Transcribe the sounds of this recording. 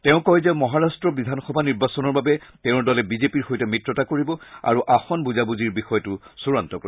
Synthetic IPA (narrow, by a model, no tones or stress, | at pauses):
tɛʊ̃kɔjzɛmɔɦaɹastɹɔbidʱanxɔbʱaniɹbasɔnɔɹbabɛtɛʊ̃ɹdɔlɛbizepiɹxojtɛmitɹɔtakoɹibɔa̰ɹuʔaxɔnbuzabuziɹbixɔjɔtʊsuɹantɔkoi